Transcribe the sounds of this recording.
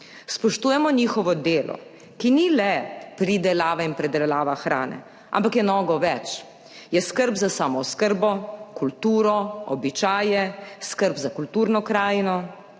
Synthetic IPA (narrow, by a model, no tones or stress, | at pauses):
spɔʃt̪uːjɛmɔnixɔʋɔd̪eːlɔ̰ | kinilɛpɾid̪ɛlaːʋainpɾɛd̪ɛlaːʋaxɾa̰ːnɛ̰ | a̰mpakjɛnɔːɡɔʋɛt͡ʃ | jɛskəɾbzasaːmɔskəɾbɔkult̪uːɾɔɔbit͡ʃaːjɛskəɾbzakult̪uːɾnɔkɾaːjnɔ